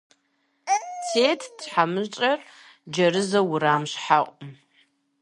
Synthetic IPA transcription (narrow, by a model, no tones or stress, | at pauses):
t͡sʰeːtʰd̥ħamɨt͡ʃʼɐr | d͡ʒɐrɨzɐwʊɾaːmɕħaʔʷʼʊm